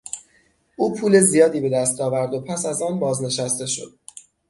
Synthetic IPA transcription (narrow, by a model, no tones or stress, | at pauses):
ʔuːpʰuːle̞zijɒːd̪iːbe̞d̪æst̪ɒːvæɾd̪o̞pʰæsæzɒːnbɒːzne̞ʃæst̪e̞ʃo̞̰d̪̥̚